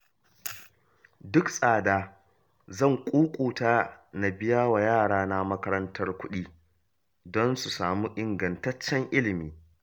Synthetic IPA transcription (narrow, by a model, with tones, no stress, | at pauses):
dʊ˦ksʼaː˨daː˦ | zɐ˦˨ŋkʷʼuː˦kʷʼuː˨taː˦na˨bɪ˦jaː˦wa˨jaː˦˨ɽaː˦na˦mɐ˦kɐ˦ɾɐ˦ntʰɐ˦rkʷʊ˦ɗiː˦ | dɔ˦nsu˨saː˨muː˦ʔɪ˨ŋɡɐ˨ntɐ˦t͡ʃːɛ˦ŋʔɪ˦lɪ˨miː˦